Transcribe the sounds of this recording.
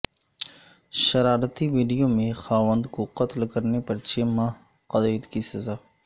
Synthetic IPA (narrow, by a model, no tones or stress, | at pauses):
ʃɐɾaːɾət̪iʋiːɖijomẽxaːʋə̃nd̪koqɐt̪lkɐɾnepɐɾt͡ʃeːmaː | qɐd̪eːd̪kisɐzaː